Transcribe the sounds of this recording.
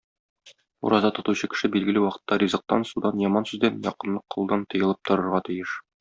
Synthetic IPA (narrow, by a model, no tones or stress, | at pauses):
ṵɾʔɑzɑt̪ŏt̪uɕɤkɘ̥̆ʃɘbilɡɘ̆lɘwɒqɤ̥̆t̪ːɑɾʲizɤ̆q̚t̪ːɑ̰nsud̪ɑnjɒmɑnsʉzd̪ænjɒ̰qɤ̆nlˠɤq̚ʰːŏlˠd̪ɑnt̪ɤ̆jɤ̆lˠɤp̚t̪ŏɾɤ̆ɾʁɑt̪ɘ̆jɘʃ